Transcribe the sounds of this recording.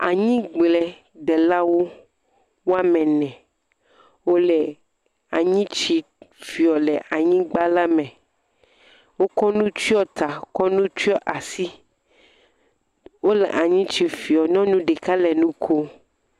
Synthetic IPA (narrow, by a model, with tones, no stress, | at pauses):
a̰˨ɲĩ˦ɡ͡blɛ˨ | dɛ˨la˦wo˦ | wo˦a˦mɛ̃˨nɛ̃˨ | wo˦lɛ˨ | a˨ɲĩ˦t͡ʃi˦fi˨ɔ˨lɛ˨ʔa˨ɲĩ˦ɡ͡ba˦la˦mɛ̃˨ | wo˦kɔ˦nũ˦t͡ʃi˦ɔ˦t̪a˨o˦kɔ˦nũ˦t͡ʃi˦ɔ˦ʔa˨si˦ | wo˦lɛ̰˨ʔa˨ɲĩ˦t͡ʃi˨fi˨ɔ˨nɔ̃˦nũ˦ɖe˨ka˦lɛ˨nũ˦kʰo˦